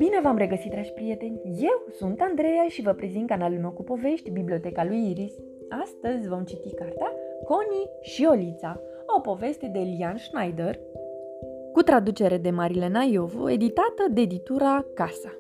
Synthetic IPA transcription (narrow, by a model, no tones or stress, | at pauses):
bine̞vamɾe̞ɡəsit̪̚d̪ɾad͡ʒʲpɾije̞t̪e̞nʲje̞wsunt̪and̪ɾe̞jaʃivəpɾe̞zint̪kanalumowkupo̞ve̞ʃt̪ʲbiblʲio̞t̪e̞kalujiɾis | ast̪əzʲvo̞mt͡ʃit̪ikart̪eako̞ni | ʃio̞lit̪sa | o̞po̞ve̞st̪e̞d̪e̞lianʃnajd̪er | kut̪ɾad̪ut͡ʃe̞ɾe̞d̪e̞maɾilenajo̞vo̰e̞̰d̪it̪at̪əd̪ed̪it̪uɾakasa